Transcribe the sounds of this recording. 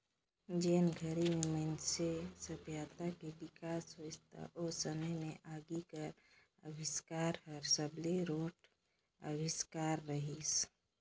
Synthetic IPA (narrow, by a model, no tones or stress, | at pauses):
d͡ʒenɡʱəɾimemənsesəbʱjat̪akedikasɦost̪a̰ʔosəməjmeʔaɡikəɾ | ə̰biskaɾɦəɾsəbleɾoʈ | ə̰biskaɾːəɦis